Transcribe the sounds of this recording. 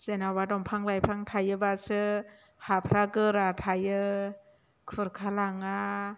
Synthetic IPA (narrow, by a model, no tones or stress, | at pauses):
z̥enawadɔmpʰaŋlajpʰaŋtʰajɯbasɯ | hapʰɾaɡɯɾatʰajɯ | kʰɯɾkʰalaŋa